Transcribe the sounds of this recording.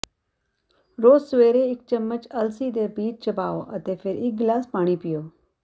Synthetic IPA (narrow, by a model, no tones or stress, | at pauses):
ɾoːzsʊʋeːɾeɪk̚t͡ʃəmːət͡ʃɐlsiːd̪eːbiːt͡ʃt͡ʃɐbaːoʔɐt̪eːfʰɪɾɪk̚ɡlaːspaːɽ̃ipɪjoː